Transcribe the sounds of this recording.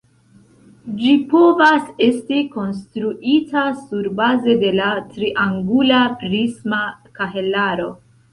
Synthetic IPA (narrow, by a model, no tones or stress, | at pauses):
d͡ʒipo̞vase̞stiko̞ns̬tɾuʔitasuɾbaze̞de̞latɾiʔaŋɡulapɾismakaɦe̞laɾo̞